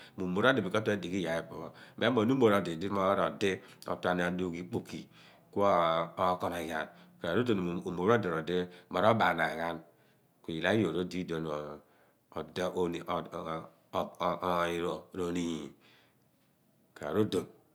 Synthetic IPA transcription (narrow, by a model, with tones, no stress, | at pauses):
mu˨mo˨ɾo˦di˨bi˨ko˦te˦di˨ki˦ja˨e˨po˨me˦mo˨nu˦mo˨ɾo˨di˨di˦ma˦ɾo˨de˦o̰˨tʷa˦n˨a˨du˦ki˦k͡pu˨ki˨ | ku˦o˦kɔ˦nɔ˨ja̰˨nka˨ɾa˨ɾo˦do˨n˨mo˨ɾo˦di˨ɾo˨de˦ma˨ɾo˦ba˨n˨a˨ɣa˦n | ku˨i˨la˦jo˨ɾo˦di˦do˨n˨ | d | i˨ɾo˨ɾo˨ni˦˨ji˨ | ka˨ɾa̰˨ɾo˦do˨n